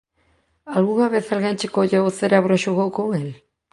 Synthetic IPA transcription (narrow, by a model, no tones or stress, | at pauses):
alɣuŋaβeθalɣant͡ʃekoʎaowθeɾaβɾaʃoɣowkoŋel